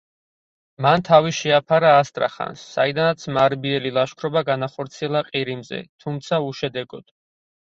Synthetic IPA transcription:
mant̪ʰaviʃɛapʰaɾaːst̪ʼɾa̰χa̰nsːa̰id̪anat̪sʰmaɾbiɛlilˠaʃkʰɾɔbaɡanaχɔɾt̪sʰiɛlˠaqʼiɾimzɛ̰t̪ʰumt̪sʰauʃɛd̪ɛɡɔd̪̥

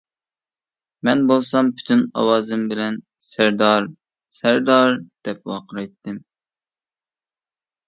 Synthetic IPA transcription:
mɛnbolˠsɑmpʰy̥t̪ʰynɑ̰wɑːzɨmbɪlɛn | sæɾd̪ɑɾ | sæɾd̪ɑɾd̪̥ɛp̚wɑqʰəɾɑjt̪ʰːɪm

